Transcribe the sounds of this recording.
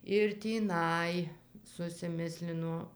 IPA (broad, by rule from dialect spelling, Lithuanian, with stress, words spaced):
ɪr tʲiːˈnɐɪ sʊsʲɪˈmʲɪsʲlʲɪnoː